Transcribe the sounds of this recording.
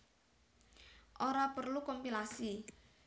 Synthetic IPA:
ʔoɾapərlukɔmpilasi

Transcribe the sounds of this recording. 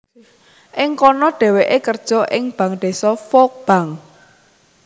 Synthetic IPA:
ʔɪŋkɔnɔɖ̥ɛ̤weʔekərd̥ʒ̥ɔ̤ʔɪŋb̥ä̤ŋɖ̥e̤sɔfɔk̚b̥a̤ŋ

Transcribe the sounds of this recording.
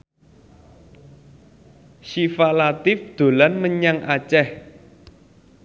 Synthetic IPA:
ʃifalat̪ɪfd̪̥o̤lanməɲaŋʔa̰t͡ʃɛh

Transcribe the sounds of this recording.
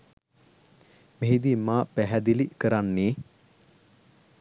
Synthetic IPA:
meɦid̪iːmaːpæɦæd̪ilikəɾanːeː

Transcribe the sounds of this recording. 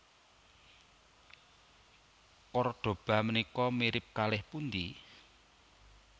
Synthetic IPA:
kɔrɖ̪̥o̤b̥ä̤mənikɔmiɾɪp̚kalɪhpund̪i

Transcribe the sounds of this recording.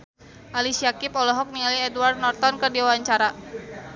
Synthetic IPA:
ʔalisiakipɔlɔɦɔk̚niŋaliɛdward̪̚nɔrt̪ɔnkɨrdiawaɲt͡ʃaɾa

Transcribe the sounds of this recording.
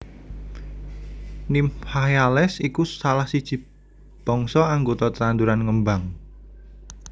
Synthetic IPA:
nimhajalɛsikusalahsid̥ʒ̥i̤ | b̥ɔŋsɔaŋɡot̪ɔt̪əɾand̪uɾanŋəmbaŋ

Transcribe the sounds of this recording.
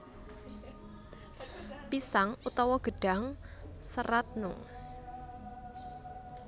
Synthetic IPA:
pisaŋut̪ɔwɔɡ̥ə̤ɖ̥a̤ŋsəɾat̪̚nṵ

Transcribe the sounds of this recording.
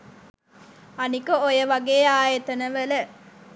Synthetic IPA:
ɐnikəojɐʋɐɡeːaːjet̪ɐnəʋɐlə

